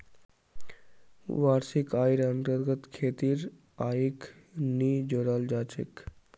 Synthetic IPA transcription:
ʋaːɾsikaːjɾənt̪əɾɡət̪kʰeːt̪iːɾ | aːiknid͡ʒoɽald͡ʒaːt͡ʃʰḛk

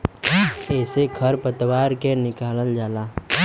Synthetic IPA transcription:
ɛːseɡʰəɾpət̪waːɾkenɪkaːləld͡ʒaːlaː

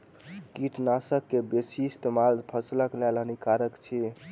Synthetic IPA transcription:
kiʈʰnasəkːebesist̪emalpʰəsləklɛlɦənikaɾəkt͡ʃʰi

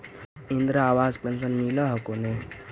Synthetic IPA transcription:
ind̪ɾəaʋad͡zpens̬ənmiləɦakone

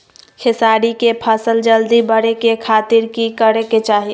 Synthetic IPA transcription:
kʰɪsaːɽikepʰəsəld͡ʒəld̪ibəɽekekʰaːt̪ɪɾkikəɾeket͡ʃaːɦi

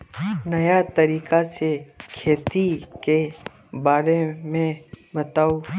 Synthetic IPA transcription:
nɐjat̪əɾiːkasekʰeːt̪ike | baːɾemẽbət̪aːu

